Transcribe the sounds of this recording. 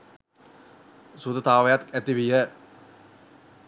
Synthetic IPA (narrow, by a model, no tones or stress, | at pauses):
sud̪ət̪aːʋɐjat̪et̪ːiʋijə